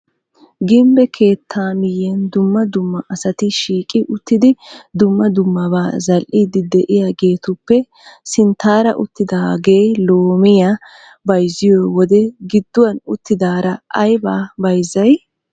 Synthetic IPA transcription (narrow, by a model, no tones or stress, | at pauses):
ɡɪmbɛkʰe̞ːt̪ʰːaːmɪjɛnd̪ʊmːɐd̪ʊmːɐʔɐsɐt̪ɪʃiːkʼɪʔʊt̪ːɪd̪ɪd̪ʊmːɐd̪ʊmːɐbaːzɐlʔɪd̪ɪd̪ɛʔɪjaːɡe̞ːt̪ʊpːɛ | sɪnt̪aːɾɐ̰ʔʊt̪ːɪd̪ɐɡe̞ːjloːmɪja | bɐjzɪjoːwɔd̪ɛɡɪd̪ːʊwɐnʊt̪ːɪd̪aːɾɐʔɐjbaːbɐjzɐj